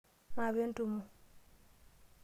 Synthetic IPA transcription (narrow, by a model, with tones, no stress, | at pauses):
ma˨βe˦n˦tu˨mu˨